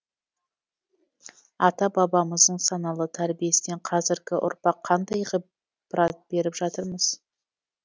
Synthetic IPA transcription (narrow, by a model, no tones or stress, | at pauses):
ɑt̪ɑbɑbɑməzd̪əɴsɑnɑlˠət̪ʰæɾbije̞sɪneɴqʰɑzɪɾɡʲɪʔʊ̰ɾpɑqʰːɑnd̪ɑjʁə | b̥ɾɑt̪̚b̥e̞ɾɪpʒɑt̪əɾməz̥